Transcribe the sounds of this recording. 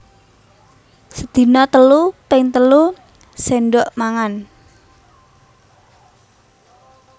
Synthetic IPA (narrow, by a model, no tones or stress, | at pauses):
səd̪̥i̤nɔt̪əlupɪŋt̪əlu | senɖoʔmaŋan